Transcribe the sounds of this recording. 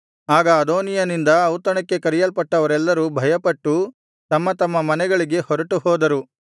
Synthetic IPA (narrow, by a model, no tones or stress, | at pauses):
aːɡɐːd̪oːnijɐnind̪ɐːwt̪ɐɳɐkːe̞kɐɾijɐlpɐʈːɐʋɐɾɛlːɐɾubʱɐjɐpɐʈːu | t̪ɐmːɐt̪ɐmːɐmɐnɛɡɐɭiɡe̞hɔɾɐʈuɦɔːd̪ɐɾu